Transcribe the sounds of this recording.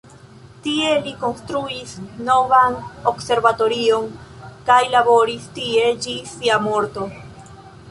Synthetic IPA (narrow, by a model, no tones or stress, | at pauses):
tie̞liko̞nst̪ɾuisno̞vanokse̞ɾvato̞ɾio̞ŋkajlabo̞ɾistie̞d͡ʒisiamo̞ɾt̪o̞